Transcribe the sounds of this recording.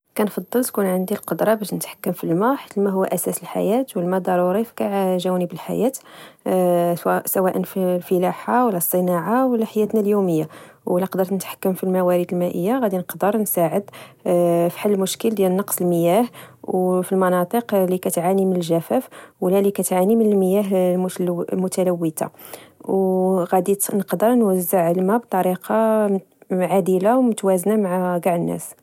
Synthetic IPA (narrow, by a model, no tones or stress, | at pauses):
kænfɑd̪ˤːəlt̪kunʕənd̪ilqod̪ɾˤɑbæʃnət̪ħḁkːəmfilmæħḁt̪əlmæɦʊwːæ̰ʔæsæsəlħa̰jæt̪wəlmæd̪ɑɾˤuɾifkaʕʒæwnəbəlħa̰jæt̪ | sæwæʔənfilfəlaħawəlːæsˤːənɑʕawəlːæħajæt̪næljuməjːawlːæqd̪əɾnət̪ħḁkːəmfilmæwæɾəd̪əlmæʔəjːaɣæd̪inəqd̪əɾnsaʕəd̪ | fi̥ħalːəmʊʃkəld̪jælnːɑqsˤəlməjæhwfilmɑnɑt̪ˤəqlikæt̪ʕanimənəlʒæfæfwəlːælikæt̪ʕanimənəlməjæɦmmʊt̪æləwːət̪a̰wɣæd̪inəqd̪əɾˤnwəzːəʕəlmæb̚t̪ˤɑɾiqʰɑ | ʕad̪ilawmʊt̪wæznamaʕaɡaʕnːʔæ̰s